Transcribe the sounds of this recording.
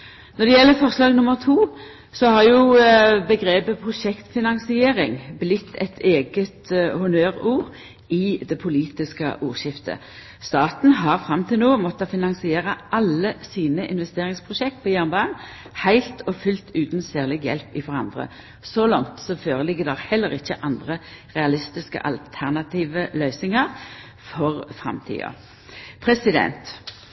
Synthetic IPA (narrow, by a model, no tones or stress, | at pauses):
nɔd̪ɛjɛlːəfɔʁslɑːɡnʊməʁt̪ʰuː | sɔhɑʁjʊbəɡɾeːbəpʰʁʊʃɛkt̪fɪnɑŋsɪeːɾɪŋblɪt̪ʰːɛt̪ʰeːɡət̪hʊnøːʁuːʁ | ɪd̪ɛpʰʊliːt̪ɪskə̰ʔuːʁʃɪft̪ʰə̰ | st̪ɑːt̪n̩ɦɑʁfɾɑmt̪ʰɪlnoːmɔt̪ːɑfɪnɑŋsɪeːʁəʔɑlːəsiːnəʔɪnʋɛst̪eːʁɪŋspʰʁʊʃɛk̚t̪̚pʰɔːjæːʁnbɑːn | hæɪlt̪ʰɔfʏlt̪ʰʉːt̪n̩sæːʁlɪɡjɛ̰lpɪfɔʁɑnd̪ʁə̰ | sɔlɑŋt̪sɔføːʁəlɪɡːəd̪ɛʁhɛlːəʁɪçːəʔɑnd̪ʁəʁɛɑlɪst̪ɪskə̰ʔɑ̰lt̪ʰæʁnɑt̪ʰiːʋəlœʏsɪŋəʁ | fɔʁfʁɑ̰mt̪ʰḭːɑ̰ | pʰʁɛsɪd̪ɛ̰nt̪